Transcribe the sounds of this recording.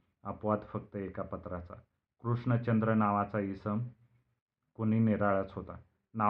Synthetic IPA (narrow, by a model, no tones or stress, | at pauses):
əpʋad̪fək̚t̪əekapət̪ɾat͡sa̰ | kɾuʂɳət͡ɕənd̪ɾənaʋat͡saisəm | koñiːneɾaɭat͡sɦot̪a̰ | na